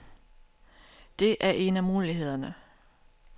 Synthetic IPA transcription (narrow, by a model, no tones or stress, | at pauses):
d̥e̝ʔæɐʔe̝næmuːliɦe̝ð̞̰ˠɐnə